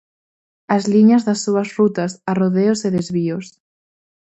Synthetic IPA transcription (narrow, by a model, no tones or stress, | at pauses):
ɐzliɲazðɐsːuɐzrut̪asaroðeoseðezβios